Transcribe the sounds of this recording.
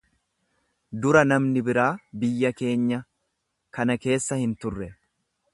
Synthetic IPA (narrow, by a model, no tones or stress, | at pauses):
d̪ʊɾɐnɐmnɪbɪɾaːbɪjːɐke̞ːɲːɐ | kɐnɐke̞ːsːɐhɪnt̪ʊrːɛ